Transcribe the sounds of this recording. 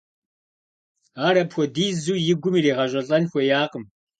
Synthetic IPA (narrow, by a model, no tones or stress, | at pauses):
aːɾɐpxʷɔdiːzuːjɪɡʷʊmiːreːʁɐɕʼɐɬʼɐnxʷɔjaːqəm